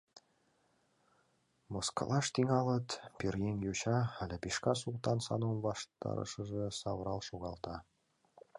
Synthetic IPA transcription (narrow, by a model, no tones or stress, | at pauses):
moskɑ̰lˠɑʂt̪iŋɑlˠɤ̆t̪pʲirʲjenʲjoɕɑælʲĕpʲiʃkɑsulˠt̪ɑnsɑ̰nomβɑʃt̪ɑ̰ɾɤ̰ʃɤ̆ʐɤ̆sɑβəɾɑlˠʃoɣɑlˠt̪ɑ